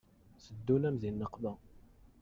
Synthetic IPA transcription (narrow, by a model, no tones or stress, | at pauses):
səd̪ːunæmzinːəqvæ